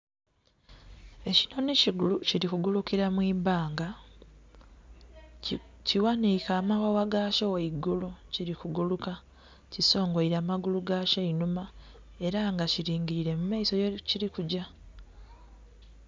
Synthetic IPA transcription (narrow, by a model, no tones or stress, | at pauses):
e̞cino̞neciɡuluciɾikuɡulukiɾamwiːbaːŋɡa | ciwanikaːmawawaɡaʃoweiɡuluciɾikuɡuluka | ciso̞ːŋɡoiɾaːmaɡuluɡaʃeinuma | e̞ɾaŋɡaciɾiːŋɟiɾiɾe̞mumaiso̞jeciɾikuɟa